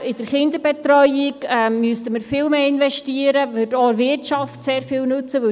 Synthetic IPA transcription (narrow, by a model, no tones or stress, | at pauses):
ɪd̥əɾχɪnd̪əɾbɛt̪rœʏɪkɛmːyəstəməɾfɪːlmeːɪnvɛʃtiəɾəvʏtɔvɪrtʃɑftseːɾfɪːlnʉt͡səʋɵ